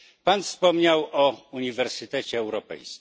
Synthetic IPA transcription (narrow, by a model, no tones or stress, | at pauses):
panfspɔmɲawɔuɲivɛɾsɘt̪ɛt͡ɕɛːwɾɔpɛ̰jskʲi